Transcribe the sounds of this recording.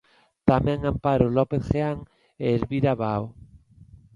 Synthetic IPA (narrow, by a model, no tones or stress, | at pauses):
t̪amɛ̃ŋampaɾolɔpeθxeaŋ | eːlβiɾaβao